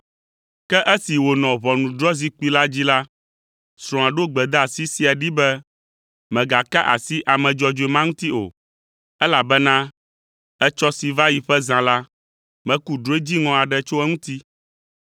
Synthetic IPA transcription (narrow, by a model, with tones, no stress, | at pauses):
kɛ˦ʔɛ˦si˨wo˨nɔ̃˨βɔ˨nũ˨ɖɾɔ˦zi˦k͡pi˦la˦d͡ʑi˦la˦ | sɾ̃ɔ̃˨a˨ɖo˦ɡ͡bɛ˨d̪a˦a˨si˦si˨a˨ɖi˦bɛ˦ | mɛ̃˨ɡa˨ka˦ʔa̰˨si˦ʔa˨mɛ̃˨d͡ʒɔ˨d͡ʒo˨i˨mã˦ŋũ˦t̪i˦o̰˨ | ɛ˦la˨bɛ˦nã˦ | ɛ˦t͡ʃɔ˦si˨va˦ji˨ɸɛ˦zã˨la˦ | mɛ̃˦ku˦ɖɾo˨˦e˦d͡ʑi˦ŋɔ̃˨a˨ɖɛ˦t͡ʃo˦ɛ˦ŋũ˦t̪i˦